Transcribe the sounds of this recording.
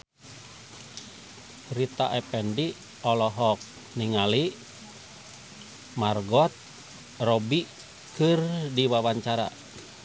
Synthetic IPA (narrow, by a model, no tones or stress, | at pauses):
rit̪a̰ʔɛpɛndi | ɔlɔɦɔk̚ | niŋali | marɡɔt̪̚ | rɔbi | kɨrdiwawaɲt͡ʃaɾa̰